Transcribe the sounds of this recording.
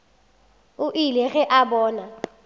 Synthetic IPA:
ʊʔilɛɣɛʔabɔːna

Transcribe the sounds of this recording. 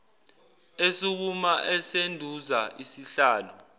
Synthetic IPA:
esuk̬umaʔɛsendʱuzaʔisiɬaːlɔ

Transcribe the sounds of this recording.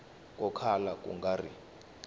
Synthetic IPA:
k̬ʼɔkʰalakʼṵŋɡʱari

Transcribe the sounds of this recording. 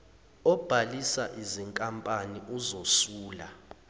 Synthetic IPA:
ɔb̥ʱalisaʔiziŋkʼampʼaniʔuzosuːla

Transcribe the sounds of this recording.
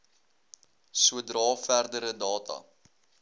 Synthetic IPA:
suədrɑːfærdəɾədɑːtʰɐ̰

